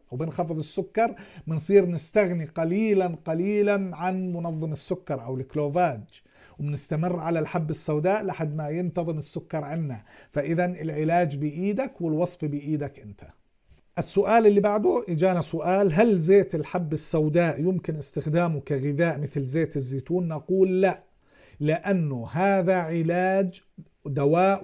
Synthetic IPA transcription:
wbɪnxɑfɨðˤɨsːʊkːɑɾˤmɪnsˤiːɾnɪst̪aɣniqɑliːlanqɑliːlanʕanmʊnɑðˤːɨmɪsːʊkːɑɾˤʔawɪlɪkːloːvaːd͡ʒ | wɪmɪnɪst̪amɪrːʕalalħabːɪsːawd̪aːʔlɪʔaħad̪majɪnt̪ɑðˤɨmɪsːʊkːɑɾˤʕanːafaʔɪðanɪlʕɪlaːd͡ʒbɪʔiːd̪akwɪlwɑsˤfbɪjʔiːd̪akʔɪnt̪ʰḁ | ʔɪsːʊʔaːlɪlːibaʕd̪ʊd͡ʒaːnasʊʔaːlɦalzeːt̪ɪlħabːɪsːawd̪aːʔjʊmkɪnʔɪst̪ɪxd̪aːmʊkaɣɪðaːʔmɪθlzeːt̪ɪzːiːt̪uːnːɑquːlːaʔ | lɪʔanːʊɦaːðaʕɪlaːd͡ʒ | d̪awaːʔ

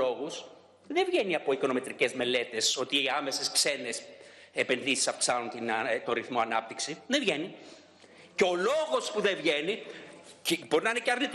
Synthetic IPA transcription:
o̞ɣus | ðevʝe̞niɐpo̞iko̞no̞me̞t̪ɾice̞zme̞le̞t̪e̞so̞t̪iiɐme̞se̞skse̞ne̞s | epe̞nðisi̥sɐfksɐnunt̪int̪oɾiθmoɐnɐp̚t̪iksiðevʝeni | ceo̞lo̞ɣo̞spuðevʝe̞nicbo̞ɾinɐineceɐɾnit̪

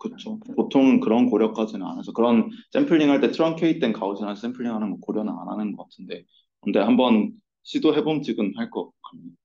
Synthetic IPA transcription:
kɯt͡ɕʰopotʰoŋnkɯɾʌnkoɾjʌk̚k͈ad͡ʑinɯna̰nasʰʌkɯɾʌns͈empʰɯɭːiŋɦaɭt͈e̞tʰɯɾʌŋkʰe̞it͈e̞nkaud͡ʑʰinas͈empʰɯɭːiŋɦanɯnwʌkoɾjʌnɯna̰nɦanɯnɡʌk͈atʰɯnde̞ | kɯnde̞hambʌn | ɕʰidoɦe̞bomt͡ɕiɡɯnaɭk͈ʌkk͈aɲi

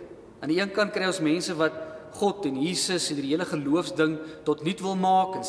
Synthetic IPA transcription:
ʔɐndiiənkɐnt̚krɛjosmɛnsəvɐt̚χɔtɛnɦiːsəsɛndiɾiɦiələχəluəfsdəŋtɔtnitvəlˠmɑːkən

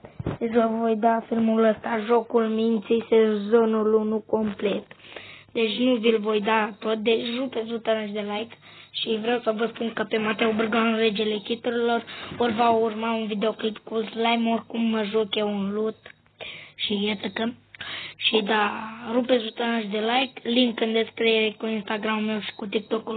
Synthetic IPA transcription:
d̪et͡ʃʲvəvo̞jd̪afilmuləst̪aʒo̞kulmint̪sisenzo̞nulunuko̞mple̞t̪d̪e̞t͡ʃʲnuvilvo̞jd̪at̪o̞t̪̚d̪e̞t͡ʃʲrupeslut̪anaʃ̬d̪elajk̪ | ʃivɾewsəvəspunkəpe̞mat̪ewobɨrɡaɨnre̞d͡ʒele̞kʲit̪uɾilo̞rorvaurmaunvid̪e̞oklipkulzlajmorʲkumːəʒokje̞wunlut̪ | ʃijat̪əkə | ʃid̪aɾupeslut̪anəʃd̪elajkliŋkːɨnd̪eskɾejeɾekuinst̪aɡɾamume̞wʃi̥kut̪̬ik̚t̪okul

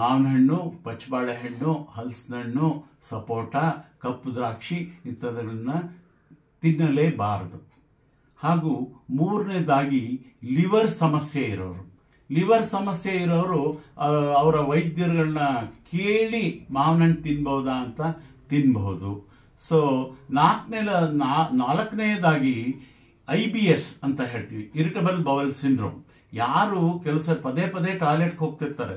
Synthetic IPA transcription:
maːʋnɦɐɳːupɐt͡ʃːbaːɭeɦɐɳːuhɐlsnɐɳːu | sɐpoːʈakɐpːd̪ɾaːkʂiint̪ɐd̪ɐɭɐnːɐ | t̪inːɐleːbaːɾd̪u | haːɡuːmuːɾneːd̪aːɡiliʋɐɾsɐmɐsjɐiɾɐʋɐɾu | liʋɐɾsɐmɐsjɐiɾɐʋɐɾu | ɐʋɐɾɐʋɐjd̪jɐɾɐɡɐɭɐnɐkʰeːɭimaːʋnɐɳɖ̚t̪inbɐʋud̪aːnt̪ɐt̪inbɐɦud̪u | soːnaːknɛlɐnanaːlɐkːɐnɛjɐd̪aːɡi | ɐjbiesɐnt̪ɐɦe̞ːɭt̪iːʋiiɾiʈɐbɐlbɐʋɐlsinɖɾo̰ːm | jaːɾukɛlusɐɾipɐd̪eːpɐd̪eːʈaːleʈɦo̞ːɡ̚t̪iɾt̪ːaːɾḛ

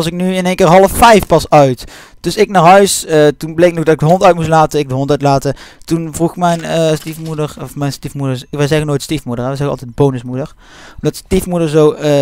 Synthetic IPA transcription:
ɑsɪk̚nyɪnejnkɪːɹɦɑlˠəfːɛjfpɑsœɥt | d̥ɵsɪknaːɹɦœɥsətunblejk̚noɡdɑtɪɡ̚dəɦɔntœɥtmuslaːtəɪɡ̚dəɦɔntœɥtlaːtətunvruxmɛjnəstifmudəɹɔfmɛjnstifmudəɹʋɛjzɛɣənoːjtstifmudəɹɛʋəzɛɣɑ̰lˠtɛjd̚bownəsmudəɹ | ɔmdɑtstifmudəɹzow

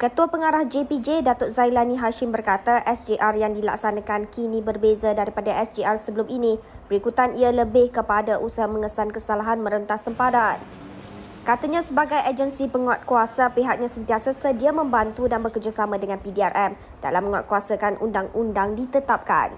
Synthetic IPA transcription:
kət̪uapəŋaɾahd͡ʒepid͡ʒedat̪ʊt̪̚zajlanĩɦaʃɪmbərkat̪aʔɛsd͡ʒiʔarjaŋdila̰ksanãkankinibərbezadaɾipadaʔɛsd͡ʒiarsəbəluminĩbəɾikut̪anialəbɪhkəpadaʔusaɦamə̃ŋəsankəsalaɦanmə̃ɾənt̪ahsəmpaɾan | kat̪aɲãsəbaɡajʔad͡ʒənsipəŋat̪̚kuasapeɦak̚ɲãsənt̪iasasədiamə̃mbant̪udanbəkərd͡ʒasamãdəŋãnpidiarʔɛm | d̥a̰lamːə̃ŋa̰t̪̚kuasakanʔṵndaŋundaŋdit̪ət̪ap̚ka̰n

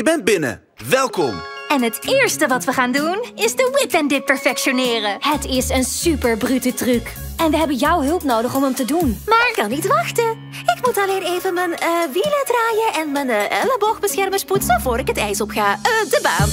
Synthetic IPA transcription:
əbɛnd̚bɪnə̰ | ʋɛlˠkɔ̰mɛnɦətɪːɹstəʋɑtʋəχaːndunɪzdəwɪpɛndɪt̚pɛɹfɛkʃonɪːrəhətɪsənsypəɹbrytətrykɛnʋəɦɛbənjʌwɦɵlˠpnowdəχɔmɦəmtədunmaːkɑnitʋɑxtə | ɪkmutɑlejnejvənmənəʋilədraːjəʔɛnmənɛləbɔxbəsxɛrməsputsəvʊːɾɪkətɛjsɔpχaːədəba̰ːn

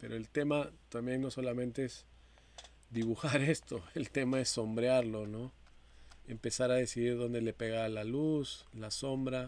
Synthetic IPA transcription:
pe̞ɾo̞e̞lt̪e̞mat̪ambje̞nnːo̞so̞lamẽ̞nt̪e̞es | d̪iβuxaɾe̞st̪o̞e̞lt̪e̞mae̞sːo̞mbɾjaɾlo̞no̞ | empe̞saɾaðe̞siðiɾðo̞nd̪e̞le̞peɣalaluslaso̞mbɾa

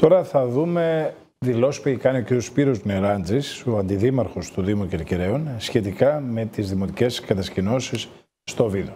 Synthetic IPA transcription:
t̪o̞ɾɐθɐðume̞ | ðilo̞si̥peçikɐnio̞ciɾijo̞spiɾo̞zneɾɐnd͡zisoɐnd̪iðimɐɾxo̞st̪uðimuceɾciɾe̞unsçe̞t̪ikɐme̞t̪izðimo̞t̪ice̞skɐt̪ɐscino̞sisː | t̪o̞vilo

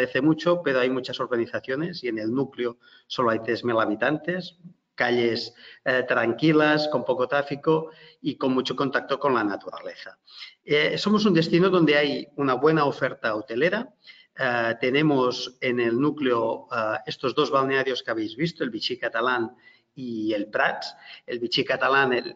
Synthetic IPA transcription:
eθemut͡ʃopeɾoajmut͡ʃasoɾɣaniθaθjonesienelnukleo | soloajt̪ɾezmelaβ̞it̪ant̪es | kaʎest̪ɾaŋkilaskompokot̪ɾafikoikonmut͡ʃokont̪ak̚t̪okonlanat̪uɾa̰leθa | esomos̬und̪est̪inoðond̪eajunaβwenaofeɾt̪aot̪eleɾa | t̪enemosenelnukleoest̪ozðozβ̞alneaɾjoskeaβ̞ejzβist̪oelβit͡ʃikat̪alan | ielpɾatelβit͡ʃikat̪alanel

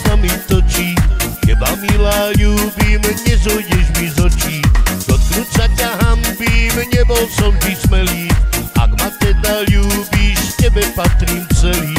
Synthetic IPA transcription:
amit̪ɔt͡ʃijɛbamilaːʎuːbimɲɛzɔjɟɛʒmizɔt͡ʃitd̪ɔt̪ɾut͡sakaɦambiːmɲɛbɔlsɔmvismɛliːa̰ɡmat̪ɛd̪aʎuːbiʃcɛbɛpat̪ɾiːmt͡sɛliː

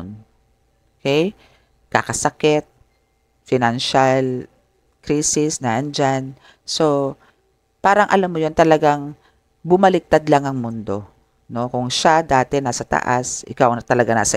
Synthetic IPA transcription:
n | ʔokɛj | ka̰kɐsɐkɛt̪̚ | fɪnanʃal | kɾiːsɪsnɐʔɐnd͡ʒan | so̞ | paːɾɐŋʔɐlamːojo̞nt̪ɐlɐɡaŋ | bʊmɐlɪk̚t̪ad̪laŋɐŋmʊnd̪o̞ | no̞kʊŋʃad̪aːt̪ɛnaːsɐt̪ɐ̰ʔa̰sʔɪ̰kawnɐt̪ɐlɐɡana̰ːsɐ

